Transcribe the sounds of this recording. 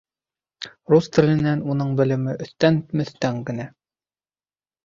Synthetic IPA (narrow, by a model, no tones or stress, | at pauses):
rust̪ɘ̆lɘ̆nænunɤɴbɘ̆lɘ̆mɘʔɵ̆θt̪ænt̪mɘ̆θt̪æŋɡɘ̆næ